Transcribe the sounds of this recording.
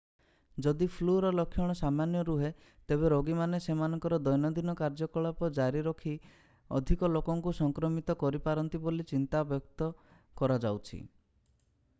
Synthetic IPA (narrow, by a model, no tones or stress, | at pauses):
d͡ʒɔd̪ipʰluɾɔlɔkʰjɔɽ̃ɔsamanjɔɾuɦe | t̪eβeɾoɡimanesemanɔŋkɔɾɔd̪ɔjnɔd̪inɔkaɾd͡ʒɔkɔɭapɔd͡ʒaɾiɾɔkʰi | ɔ̰d̪ʱikɔlokɔŋkusɔŋkɾɔmit̪ɔkɔɾipaɾɔnt̪ibolit͡ʃint̪abjɔkt̪ɔ | kɔɾad͡ʒawt͡ʃʰḭ